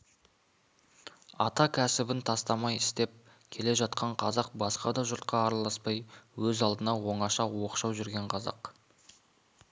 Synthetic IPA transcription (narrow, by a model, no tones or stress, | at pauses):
ɑ̰t̪ɑkʲʰæsɪbɪnt̪ʰɑst̪ɑmɑjɪst̪e̞p̚ | kʲʰe̞le̞ʒɑt̪qʰɑɴqʰɑzɑq̚bɑsqɑd̪ɑʒʊɾt̪̚qɑːɾɑlˠɑspɑjwɵzɑlˠd̪ənɑwo̞ɴɑʃɑwo̞qʃɑwʒʏɾɡʲe̞ɴqʰɑzɑ̰q